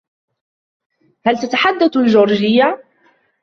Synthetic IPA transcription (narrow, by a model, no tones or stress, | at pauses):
hælt̪at̪aħad̪ːaθlʒoɾˤʒɪjːa